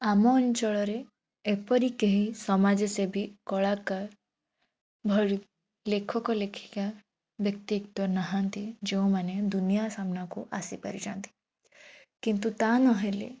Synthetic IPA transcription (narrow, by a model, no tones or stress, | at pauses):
amɔnit͡ʃɔɭɔɾe | epɔɾikeɦisɔmad͡ʒɔsebʱikɔɭaka | bʱɔɽ | lekʰɔkɔlekʰi̥ka | bjək̚t̪ikt̪ɔnaɦãnt̪id͡ʒeũmaned̪unijasamnakuʔasipɐɾid͡ʒant̪i̥ | kint̪ut̪anɔɦelḛ